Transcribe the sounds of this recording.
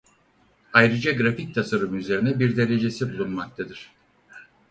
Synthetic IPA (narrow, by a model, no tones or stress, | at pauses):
ajɾɯd͡ʒaɡɾafic̚t̪ʰasaɾɯmɯyze̞ɾinɛbiɾd̪e̞le̞d͡ʒe̞sibulˠunmak̚t̪ʰad̪ɯɾ̝̥